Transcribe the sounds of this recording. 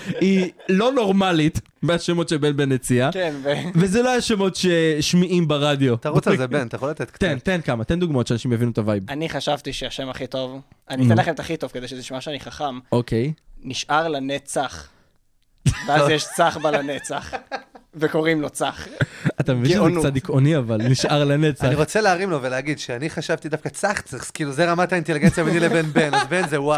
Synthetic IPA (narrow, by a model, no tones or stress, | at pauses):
ilo̞no̞ʁmalit̪ | meaʃemo̞tʃebenbenet͡siakenvevezeloaʃemo̞tʃeʃmiʔimbaʁadjo̞t̪aʁoebent̪ajeχolat̪et̪̚kt̪ent̪enkamat̪end̪uɡmaotʃeanaʃimjavinuet̪avajbaniχaʃavt̪iʃeaʃemaχito̞vanitenlaχemet̪aχito̞v̥ked̪ejʃezeʃmaʃeaniχaχamokejniʃʔaʁlanet͡saχ | veazjɛʃt͡saχbalanet͡saχveko̞ʁimlo̞t͡saχat̪amevinonkt͡sad̪ikʔoniavalniʃaʁlanet͡saaniʁot͡seleːʁimloveleaɡid̪ʃeaniχaʃavt̪id̪afkat͡saχt͡saχskiːluzeʁamat̪ainteliɡent͡sjabenilebenbenozbenzewa